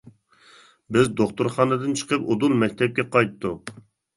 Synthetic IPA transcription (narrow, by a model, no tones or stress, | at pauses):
bɪzd̪oχt̪uɾχɑːnɨd̪ɨnt͡ʃʰə̥qəpod̪ulmɛk̚ʲt̪ʰɛp̚kʲɛqʰɑjt̪ːu